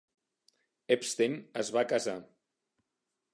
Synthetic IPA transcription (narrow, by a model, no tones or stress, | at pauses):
epst̪enəzβakaza